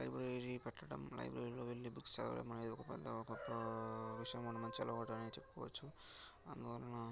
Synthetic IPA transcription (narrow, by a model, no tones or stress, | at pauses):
lɐjbɾɐɾɾipɛʈːɐʈɐ̰mlɐ̰jbɾɐɾiloːʋilːibukst͡ʃɐ̰lɐʋɐ̰ɭɐ̰mːɐned̪iɔkɐpɛ̰d̪ːɐɔkɐpːɐʋiʂɐjɐmɔnːɐmɐɲt͡ʃiɛlːɐoːʈɐɐnet͡ʃepːukɔːʋɐt͡ʃːuɐnd̪uʋɐlɐnɐ